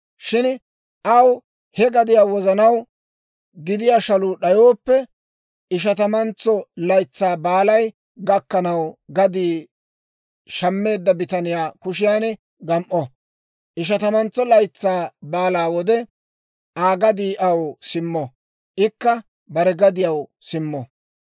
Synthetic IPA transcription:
ʃɪn | ʔɐw | hɛɡɐd̪ɪjaːwɔzɐnɐw | ɡɪd̪ɪjaːʃɐlʊːɗɐjoːpːɛ | ɪʃ̬ɐt̪ɐmɐnt͡sːɔlɐjt͡sːaːbaːlɐj | ɡɐkːɐnɐwɡɐd̪iː | ʃɐmːe̞ːd̪ːɐbɪt̪ɐnɪjaːkʊʃɪjaːnɛ | ɡɐmʔɔ | ʔɪʃ̬ɐt̪ɐmɐnt͡sːɔlɐjt͡sːaːbaːlaːwɔd̪ɛ | ʔaːɡɐd̪iːʔɐwsɪmːɔ | ʔɪkːɐ | bɐɾɛɡɐd̪ɪjɐw | sɪmːɔ

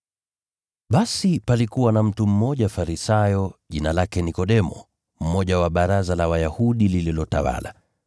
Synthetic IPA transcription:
ɓasipalikuwanam̩tum̩mɔʄafaɾisajɔʄinalakɛnikɔɗɛmɔ̰ | m̩mɔʄawaɓaɾazalawajahuɗilililɔta̰wa̰la̰

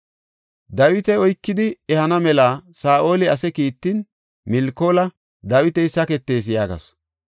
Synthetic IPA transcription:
d̪ɐwɪt̪ɛɔjkːɪd̪ɪɛhɐnɐmɛlaːsaːʔo̞ːlɪɐsɛkiːt̪ːin | mɪlkoːlɐ | d̪ɐwɪt̪ɛjsɐkɛt̪ːe̞ːs̬jaːɡɐ̰s

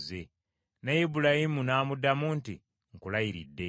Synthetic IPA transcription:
ze | najibulahimunaːmudːamuntḭ | ŋkulajiɾidːe̞

